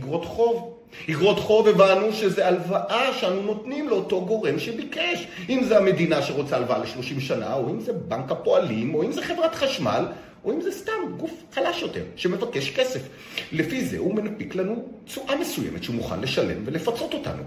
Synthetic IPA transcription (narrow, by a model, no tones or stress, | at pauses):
iɡʁo̞t̪χo̞v | hiɡʁo̞t̪χo̞vevanuʃezealvaʔaʃeanuno̞tnimleo̞to̞ɡo̞ʁe̞mʃebikeʃ | ʔimzeame̞dinaʃeʁot͡saːlvaaleʃlo̞ʃimʃana̰oimzebaŋkapo̞alimo̞imzeχe̞vʁatχaʃma̰l | ʔo̞imzestamɡufχalaʃjo̞te̞̰ʁʃeme̞vake̞ʃke̞se̞f | lefizḛhume̞napiklanut͡suʔamesuj̰mʔet̪ʃeumuχa̰nleʃale̞̰mve̞le̞fat͡so̞t̪o̞ta̰nṵ